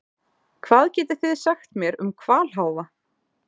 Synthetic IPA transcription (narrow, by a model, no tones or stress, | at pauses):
kʰvaːðcɛːt̪ɪ̥θɪðsaxt̪mjɛɾʏmkʰvaːl̥ɦaːwva